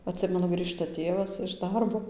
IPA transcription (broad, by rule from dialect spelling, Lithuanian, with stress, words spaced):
ɐtʲˈsʲɪmʲɛnʊ ˈɡrʲiːʃtɐ ˈtʲeːʋɐs ɪʃ ˈdɐrboː